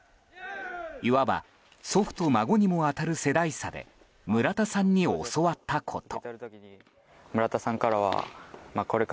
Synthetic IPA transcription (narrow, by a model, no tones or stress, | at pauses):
iβaba̰ | so̞ɸɯ̟̥t̪omaɡo̞ɲ̟imo̞at̪aɾɯ̟se̞d̪aisad̪e̞̰ | mɯ̟ɾat̪asãɲ̟ːio̰so̞βat̪ːakʰo̞̰t̪ʰo̞̰i | mɯ̟ɾat̪asãŋkaɾaβa̰mako̞ɾe